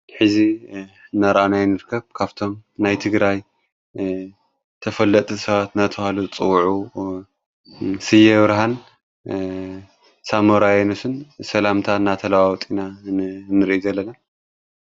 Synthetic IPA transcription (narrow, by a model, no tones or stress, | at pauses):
ħɨzinːaɾʔanajnɨɾkʰɐβkʰaβt̪ʰo̞mnajt̪ʰɨɡɾaj | t̪ʰɐfɐlːɐt̪ʼɨsɐβat̪nat̪ʰɨhalut͡sʼɨwʕu | sɨjːɛβɾɦan | samoɾajɛnɐsɨnsɐlamt̪ʰanːat̪ʰɐlawawt̪ʼinanɨɾʔizɐlːɐna